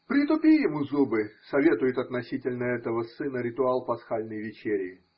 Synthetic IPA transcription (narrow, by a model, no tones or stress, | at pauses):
pɾʲɪt̪ʊpʲijɪmuzubɨsɐvʲe̞t̪ʊjɪt̪ɐt̪nɐsʲitʲɪlʲnəɛt̪əvəsɨnəɾʲɪt̪ʊalˠpɐsxalʲnəjvʲɪt͡ɕeɾʲɪjɪ